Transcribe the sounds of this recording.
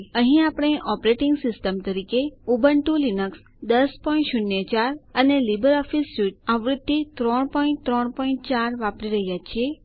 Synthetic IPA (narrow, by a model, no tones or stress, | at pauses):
əɦĩapɽ̃eʔɔpɾeʈɪŋɡsɪsʈəmt̪əɾikeubʱəɳʈũlinəks | d̪əspɔĩɳʈʃʊnjət͡ʃaɾənelibəɾɔfisːuʈaʋɾud̪ːit̪ɾɔɳpɔĩɳ̚t̪ɾɔɳpɔĩɳt͡ʃaɾʋapɾiɾəɦjat͡ʃʰie